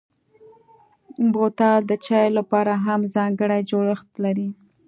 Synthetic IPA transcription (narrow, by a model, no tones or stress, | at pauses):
bot̪ɑd̪ət͡ʃɑjolapɑɾaɦamzɑŋɡəɽajd͡ʒoɽəxt̪laɾi